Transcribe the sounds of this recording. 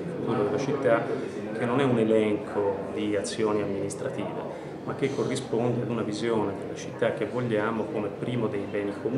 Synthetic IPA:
fut̪uːɾod̪elːat͡ʃit̪ːa | k̟ːenːonɛunelɛŋkʰod̪iat̪sːjoːniamːinist̪ɾat̪iːvḛ | mak̟ːekʰːorːispond̪ead̪unavizjoːned̪elːat͡ʃit̪ːakːevoʎːaːmokomepːɾiːmod̪ejbɛːnikʰom

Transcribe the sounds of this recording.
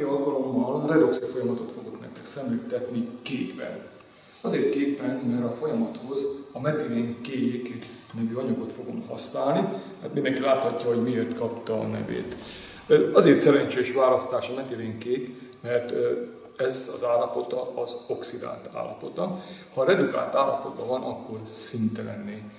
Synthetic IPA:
ɒlkɒlo̞mːɒlrɛd̪o̞ksɛfo̞jɒmɒt̪o̞t̪fo̞ɡo̞knɛ̰kt̪ɛksɛmlykt̪ɛt̪nikeːkbɛ̰n | ɒzeːrt̪̚keːpːɛnmɛɾɒfo̞jɒmɒt̪ho̞zɒmɛt̪ileːŋkeːjek | nɛvyɒɲuɡo̞t̪fo̞ɡo̞mhɒ̰snaːlniha̰t̪mind̪ɛŋkilaːt̪hɒcːɒɦo̞ɟmieːrt̪kɒpt̪ɒ̰ːnɛ̰vḛːt̪ | ɒzeːrt̪sɛɾɛɲt͡ʃeːʃʋaːlɒst̪aːʃɒmɛt̪eleːŋkeːt̪ | mɛrt̪ | ɛzɒzaːlːɒpo̞t̪ɒʔɒzo̞ksid̪a̰ːlt̪ʰa̰ːlːɒpo̞t̪ɒhɒɾɛd̪uka̰ːlt̪aːlːɒpo̞t̪̚bɒvɒnɒkːo̞rsint̪ɛlɛ̰nːeː

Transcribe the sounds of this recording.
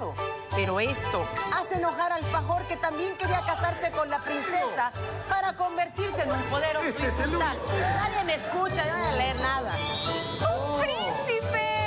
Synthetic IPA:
o | pe̞ɾo̞e̞st̪o̞aseeno̞xaɾalfaxo̞ɾke̞t̪ambje̞ŋke̞ɾiakasaɾse̞ko̞nlapɾinse̞sa | paɾako̞mbe̞ɾt̪iɾse̞enumpo̞ðe̞ɾofɾset̪alnaðjemeːskut͡ʃaaaleeɾnaða | upɾinsipe

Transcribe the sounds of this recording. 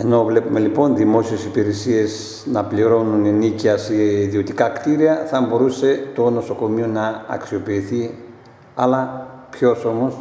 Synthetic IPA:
e̞no̞vle̞pume̞lipo̞nðimo̞sie̞sipiɾe̞sie̞z | nɐpliɾo̞nuneniciɐseiðio̞t̪ikɐkt̪iɾiɐθɐbo̞ɾuse̞t̪o̞no̞so̞ko̞mionɐɐ̰ksio̞piːθi | ɐlɐpço̞so̞mo̞s

